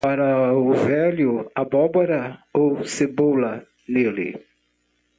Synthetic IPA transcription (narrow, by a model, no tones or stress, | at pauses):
paɾɐʊvɛljʊabɔbɔɾɐowsebowlɐ | nelɪ̰